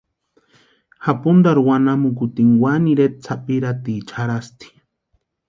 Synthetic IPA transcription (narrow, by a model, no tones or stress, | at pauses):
xapund̪aɾuwanamukut̪iŋwaniɾet̪̚t͡sʰapiɾat̪it͡ʃʰaɾast̪i̥